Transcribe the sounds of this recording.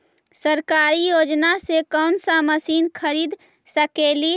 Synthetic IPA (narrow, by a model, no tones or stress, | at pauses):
səɾkaːɾijod͡ʒnasekɔʊnsaməsiːnkʰəɾiːd̪ | səkeli